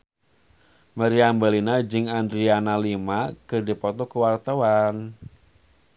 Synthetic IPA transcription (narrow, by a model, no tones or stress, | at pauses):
maɾiambalinad͡ʒɨŋandɾianalimakɨrdipɔt̪ɔkəwart̪awan